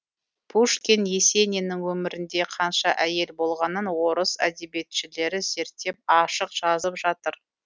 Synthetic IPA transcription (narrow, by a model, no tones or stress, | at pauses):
pʰuʃkʲenje̞se̞nenɪŋwɵmɪɾɪnd̪e̞qʰɑnʃɑʔæje̞lbo̞lˠʁɑnənwo̞ɾəsæ̰d̪e̞be̞t̪ʃɪle̞ɾɪze̞ɾt̪ːe̞p̚ɑʃəqʒ̥ɑzəpʒɑt̪əɾ